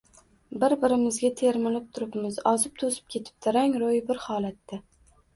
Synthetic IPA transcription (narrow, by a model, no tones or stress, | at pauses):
bɪɾbɪɾɪmɪzɡʲat̪ʰe̞ɾmɪlɪp̚t̪ʰʊɾɪpmɪzɒzɪp̚t̪ʰosɪ̥p̚kʲʰe̞t̪ʰɪ̥p̚d̪ɪɾaŋɾojɪbɪɾhɒːlat̪ːa